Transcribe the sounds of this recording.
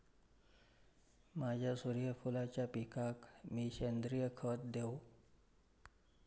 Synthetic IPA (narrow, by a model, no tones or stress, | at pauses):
mad͡ʑʱjasuɾjəfulat͡ɕjapikakmiːɕend̪ɾijəkʰət̪̚d̪ew